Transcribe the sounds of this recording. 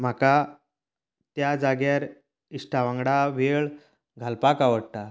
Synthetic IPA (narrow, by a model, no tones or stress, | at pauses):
m̤aka | t̪jad͡zaɡjaɾ | isʈaʋãŋɡɽaʋeɭ | ɡʱalpakaʋəɽt̪a